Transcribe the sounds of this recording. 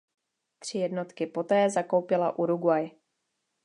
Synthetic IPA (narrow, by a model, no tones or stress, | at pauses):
t̪r̝̥ɪjɛdno̞t̪kɪpo̞t̪ɛːzako̞wpɪla̰ʔuɾuɡwaj